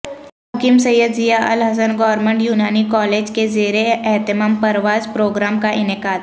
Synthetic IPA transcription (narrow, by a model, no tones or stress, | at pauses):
ɦɐkimsɐjəd̪zijaʔɐlɦɐs̬ənɡɔːɾmə̃ɳʈjuːnaːnikɔːleːd͡ʒkezeːɾeɛɦt̪ɪmaːmpɐɾʋaːzpɾoːɡɾaːmkaʔɪnɪkaːd̪